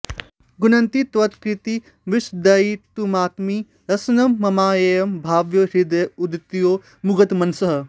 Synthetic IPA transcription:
ɡunɐnt̪it̪ʋɐt̪kɾit̪i | ʋiʃd̪ɐit̪umaːk̪mi | ɾɐsnɐmːɐmaːjɐjɐmbʱaːʋjoɾid̪ɐjud̪it̪joː | muɡɐt̪mɐnsɐɦɐ̆

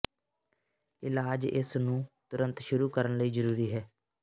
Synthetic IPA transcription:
ɪlaːd͡ʒɪ̰snũːt̪ʊɾə̃nt̪ʃʊɾuːkəɾənləiːzəɾuːɾiːɦɛː

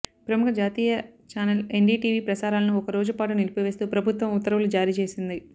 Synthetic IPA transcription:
pɾɐmukɐd͡ʒaːt̪iːjɐt͡ʃaːnɐleɳɖiːʈiːʋiːpɾɐsaːɾaːlɐnuɔkɐɾoːd͡ʒupaːʈ̬unilipɐʋe̞ːst̪uːpɾɐbʱut̪ʋɐmut̪ːɐɾɐʋulud͡ʒaːɾiːt͡ʃe̞ːsind̪i

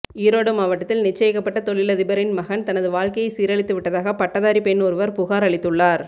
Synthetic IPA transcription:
iːɾoːɽɯmaːʋɐʈːɐt̪ːɪlnɪt͡ʃːɐjɪkːɐpːɐʈːɐt̪ɔɭɪlɐðɪbɐɾɪnmɐɣɐnt̪ɐnɐðɯʋaːɻkɐjɐɪsiːɾɐɭɪt̪ːɯʋɪʈːɐðaːɣɐpɐʈːɐðaːɾipɛnːɔɾɯʋɐɾpʊɣaːɾɐɭɪt̪ːɯɭːaːɾ

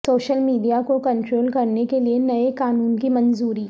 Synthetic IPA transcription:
soːʃəlmiːɖijakokɐ̃ɳʈɾoːlkɐɾnekelienɐekaːnuːnkimɐnzuːɾiː

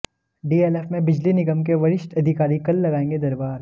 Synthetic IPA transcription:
ɖiːeːleːfmẽbɪd͡ʒlinɪɡəmkeʋɐɾɪʃʈɐd̪ʱɪkaːɾikɐlːɐɡaːẽːŋɡed̪ɐɾbaːɾ

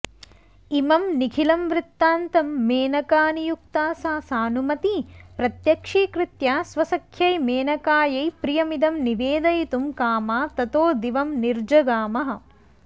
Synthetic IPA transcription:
imɐmnikʰilɐmʋɾɪt̪ːaːnt̪ɐmːeːnɐkaːnijuk̚t̪aːsaːsaːnumɐt̪ipɾɐt̪jɐkʂiːkɾit̪jaːsʋɐsɐkʰjɐjmeːnɐkaːjɐjpɾijɐmid̪ɐmniʋeːd̪ɐjit̪umkaːmaːt̪ɐt̪oːd̪iʋɐmniɾd͡ʒɐɡaːmɐɦɐ̆

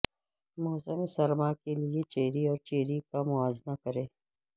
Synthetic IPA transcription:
moːsəmesɐɾmakeliet͡ʃeːɾiɔːɾt͡ʃeːɾikamʊaːznakɐɾeː

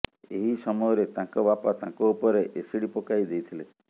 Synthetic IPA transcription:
eɦisɔmɔjɔɾet̪ãkɔbapat̪ãkɔupɔɾeʔesiɽipokajd̪ejt̪ʰile

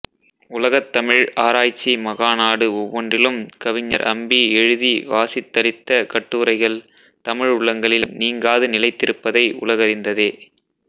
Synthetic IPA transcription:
ʊlɐɣɐt̪ːɐmɪɻaːɾaːjt͡ʃːimɐɣaːnaːɽɯɔʋːɔndrɪlɯmkɐʋɪɲːɐ̰ɾʔɐ̰mbiɛɻɯðiʋaːsɪt̪ːɐlɪt̪ːɐkɐʈːuːɾɐɪɣɐɭ | t̪ɐmɪɻʊɭːɐŋɡɐɭɪlniːŋɡaːðɯnɪlɐɪt̪ːɪɾɯpːɐðɐɪʔʊ̰lɐɣɐɾɪnd̪ɐðeː

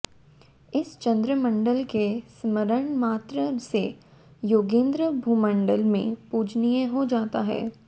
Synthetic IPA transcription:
ɪst͡ʃɐ̃nd̪ɾəmə̃ɳɖəlkesməɾəɳ̃maːt̪ɾəse | joːɡẽːnd̪ɾəbʱuːmə̃ɳɖəlmḛ̃puːd͡ʒnijeɦod͡ʒaːt̪aɦɛ̰ː

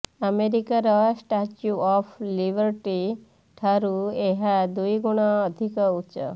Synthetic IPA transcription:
ameɾikaɾɔsʈat͡ʃuɔpʰlibəɾʈi | ʈʰaɾueɦad̪ujɡuɽ̃ɔːd̪ʱikɔutːt͡ʃɔ̰

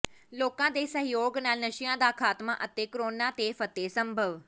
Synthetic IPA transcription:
loːkãːd̪eːsəɦɪjoːɡnaːlnəʃɪjãːd̪aːkʰaːt̪mã̰ːʔət̪eːkəɾoːnãːt̪eːfʰət̪eːsəmbʱəʋ

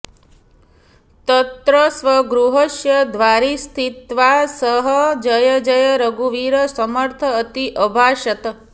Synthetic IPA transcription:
t̪ət̪ɾəsʋəɡɾuɦəʃjəd̪ʋaɾist̪ʰit̪ʋasəɦəd͡ʒəjəd͡ʒəjəɾəɡuʋiɾəsəməɾt̪ʰəːt̪iʔəbʱaʃət̪ə

